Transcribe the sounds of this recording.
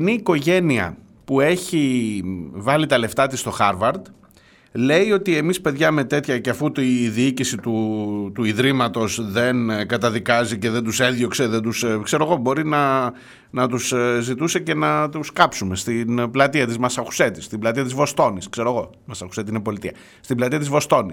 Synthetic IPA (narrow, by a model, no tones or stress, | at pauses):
niːko̞ʝe̞niɐ̰ | pue̞çi | vɐlit̪ɐle̞ft̪ɐt̪ist̪o̞xɐɾvɐɾd̪ | le̞io̞t̪ie̞mispe̞ðʝɐme̞t̪e̞t̪çɐceɐfut̪iðiicisit̪ut̪uiðɾimɐt̪o̞zðe̞nkɐt̪ɐðikɐzice̞ðe̞nd̪use̞nðʝo̞kse̞ðend̪uskse̞ɾoɣo̞bo̞ɾinɐ | nɐt̪uszit̪use̞ce̞nɐt̪uskɐpsume̞st̪inblɐt̪iɐt̪izmɐsɐku̥se̞t̪ist̪iblɐt̪iɐt̪izvo̞st̪o̞niskse̞ɾoɣo̞ | mɐsɐxu̥se̞t̪inepo̞lit̪iɐ | st̪iblɐt̪iɐt̪izvo̞st̪o̞ni